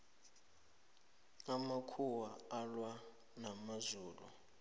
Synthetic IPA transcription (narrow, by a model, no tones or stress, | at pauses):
amakʰuwaːlwa | namazuːlṵ